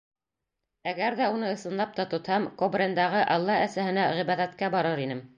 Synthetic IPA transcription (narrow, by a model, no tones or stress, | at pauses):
æɡæɾðæunɤɤ̆sɤ̆nlˠɑp̚t̪ɑt̪ŏt̪hɑmkobrʲend̪ɑʁɤʔɑlˠːɑæsæhɘ̆næʁiβæðæt̪kæbɑɾɤɾinɘm